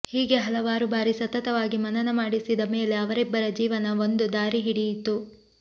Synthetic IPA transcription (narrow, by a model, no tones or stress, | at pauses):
hiːɡe̞ɦɐlɐʋaːɾubaːɾisɐt̪ɐt̪ɐʋaːɡimɐnɐnɐmaːɽisid̪ɐme̞ːle̞ɐʋɐɾɛbːɐɾɐd͡ʒiːʋɐnɐo̞nd̪ud̪aːɾiɦiɽijit̪ːu